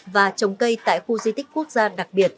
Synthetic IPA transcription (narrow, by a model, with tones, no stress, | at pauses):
vaː˨˩t͡ɕə˨˩wŋ͡mkə˧jt̪a̰ː˧˨jxu˧zi˧t̪ï˦˥k̟̚ku˦˥ək̚zaː˧ɗa˨˩k̚ɓi˨˩ət̚